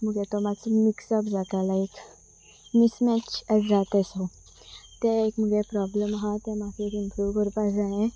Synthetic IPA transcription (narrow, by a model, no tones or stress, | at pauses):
muɡɛt̪ɔmat͡smiksapd͡zat̪alaek | mismɛt͡ɕəd͡zat̪ɛso | t̪ɛekmuɡɛpɾɔbləmɦat̪ɛ̃makeekimpɾuʋkəɾpad͡zaɦẽ